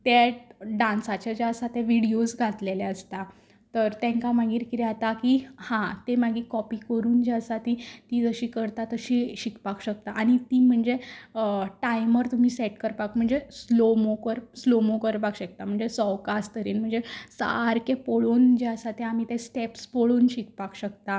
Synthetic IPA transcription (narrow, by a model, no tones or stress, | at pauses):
t̪eɖãnsat͡ɕad͡ʑaəsat̪eʋiɽiosɡʱat̪leleəst̪a | t̪əɾt̪ẽŋkamaɡiːɾkiɾɛat̪akihãt̪emaɡiːkɔpiːkəɾuːnd͡ʑeəsat̪it̪iːd͡zəɕiːkəɾt̪at̪əɕiɕikpakɕək̚t̪aʔaɽ̃it̪iːm̤əɳd͡ze | ʈajməɾt̪um̤iːseʈkəɾpakm̤əɳd͡zeslomokəɾslomokəɾpakɕək̚t̪am̤əɳd͡zesɔʋkast̪əɾiːnm̤əɳd͡zesa̰ɾkepoɭuːnd͡ʑeəsat̪eam̤iːt̪esʈepspoɭuːnɕik̚pakɕəkt̪a